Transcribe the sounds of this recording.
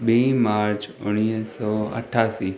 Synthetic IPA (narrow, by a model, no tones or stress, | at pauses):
bimaɾt͡ʃʊ̰ɽ̃isɔə̰ʈʰasi